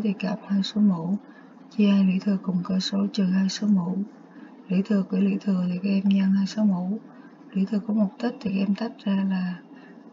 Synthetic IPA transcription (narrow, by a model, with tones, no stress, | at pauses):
t̪ʰi˨˩kaː˨˩p̚haː˧jso˨˦mṵ˧˥ | t͡ɕi˧haː˧jlḭ˧˥t̪ʰɨ˨˩əkʊ˨˩ŋ͡mkəː˧so˨˦t͡ɕɨ˨˩haː˧jso˨˦mṵ˧˥ | lḭ˧˥t̪ʰɨ˨˩əkwi˧˩əlḭ˧˥t̪ʰɨ˨˩ət̪ʰi˨˩ka˨˧˦ʔɛ˧mɲa˧ŋhaː˧jso˨˦mṵ˧˥ | lḭ˧˥t̪ʰɨ˨˩əkɔ˨˦mʊ˨˩k͡p̚t̪i˦˥t̪ʰi˨˩˧ʔɛ˧mt̪a˦˥p̚zaː˧laː˨˩